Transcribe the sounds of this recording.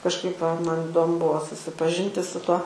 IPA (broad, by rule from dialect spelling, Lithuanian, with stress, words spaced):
kɐʃˈkɐɪp ʋɐ ˈmɐn ɪˈdoːmʊ ˈbuɔ sʊsʲɪpɐˈʒʲɪnʲtʲɪ sʊ ˈtuɔ